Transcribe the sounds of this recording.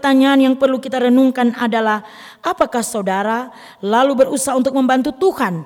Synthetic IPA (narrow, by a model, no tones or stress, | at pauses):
t̪aɲaːnjaŋpərlukit̪aɾənuŋkanadalah | ʔapakahsaudaɾa | lalubərusaɦunt̪ʊk̚məmbant̪ut̪uhan